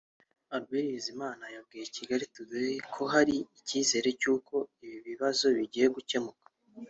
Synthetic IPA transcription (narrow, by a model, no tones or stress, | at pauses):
aɾɡiɾizimaːnajab̚ɡiːjeciɡaɾituɡiekʰo̞ɦaɾiːciːze̞ːɾe̞cuːko̞iβiβiβazo̞βiɟijeɡuce̞mukḁ